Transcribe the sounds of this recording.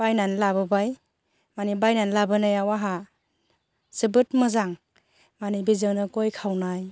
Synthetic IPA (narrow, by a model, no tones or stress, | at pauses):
bajnanlabɯbaj | manibajnanlabɯnajawaɦa | sɯbɯtmɯzaŋ | manibizɯŋnɯɡojkʰawnaj